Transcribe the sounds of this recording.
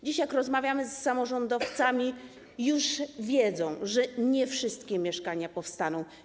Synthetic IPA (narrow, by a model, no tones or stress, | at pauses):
d͡ʑiɕjakɾɔzmavʲjamɘsːamɔʐɔnd̪ɔft̪samʲi | juʐvʲjɛd̪zɔ̃w̃ʐɛɲɛfʂɘst̪kʲɛmʲjɛʂkaɲapɔfst̪anɔ̃w̃